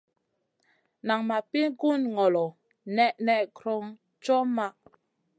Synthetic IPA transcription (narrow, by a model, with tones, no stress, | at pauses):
na˨ŋma˨pi˦ŋ˦ku˦˨nŋɔ˨lɔ˨ | nɛ˦ʔnɛ˦˨ʔkɾɔ˦ŋ | t͡ʃɔ˦ma˦˨ʔ